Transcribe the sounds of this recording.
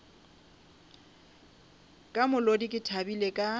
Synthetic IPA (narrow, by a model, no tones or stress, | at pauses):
kʼamʊlodikʼɪtʰabilekʼa